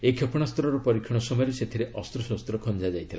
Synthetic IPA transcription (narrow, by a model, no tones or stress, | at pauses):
ekʰjopɔɽ̃ast̪ʰɔɾɔɾɔpɔɾikʰːiɽ̃ɔsɔmɔjɔɾeset̪ʰiɾeʔɔst̪ɾɔsɔst̪ɾɔkʰɔnd͡ʒad͡ʒajt̪ʰila̰